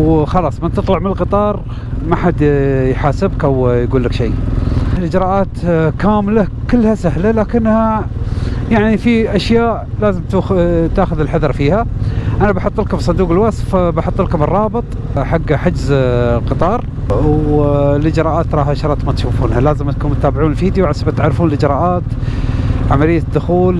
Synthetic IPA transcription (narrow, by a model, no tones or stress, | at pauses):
wxɑlɑːsˤmɪnt̪ɨt̪ˤlɑʕmɪnəlqɨt̪ˤɑːɾˤ | maħad̪jħaːsɪbkʔawjɡuːlːəkʃiːlʔɪd͡ʒɾˤɑːʔaːt̪kaːmla | kɪlːhasahlalaːkɪnːha | jaʕnifiʔaʃjaːʔ | laːzɪmt̪ːt̪aːxʊðɪlħaðɑɾˤfiːhaʔanabaħʊt̪ˤːɪlkʊbisˤɑd̪uːqɪlwasfbaħʊt̪ˤːɪlkʊmbɪrˤːɑːbɨt̪ˤ | ħaɡːħad͡ʒzqɨt̪ˤɑːɾˤ | lʔɪd͡ʒɾˤɑːʔaːt̪ɾˤɑːhʃɾˤɑːt̪mat̪ʃuːfuːnhalaːzɪmt̪kuːnmʊt̪ːaːbɪʕuːnɪlfiːd̪juʕasabat̪ʕaɾfuːnəlʔɪd͡ʒɾˤɑːʔaːt̪ | ʕamalɪjːad̪ːʊxuːl